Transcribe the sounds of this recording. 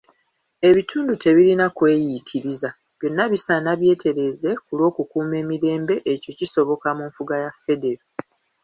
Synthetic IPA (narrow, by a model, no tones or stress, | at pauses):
e̞βitʰuːndutʰe̞βiɾinakwe̞ːjikʰiɾiza | b̥jo̞nːaβisanaβje̞ːte̞ɾe̞ze̞kulwo̞ːkukuːme̞ːmiɾe̞ːmbe̞ʔeco̞ciso̞βo̞kamuɱfuɡajafːe̞de̞ɾo